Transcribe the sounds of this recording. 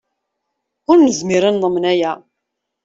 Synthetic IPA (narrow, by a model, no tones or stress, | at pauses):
ʊɾnəzmɪɾanðˤəmːənæjæ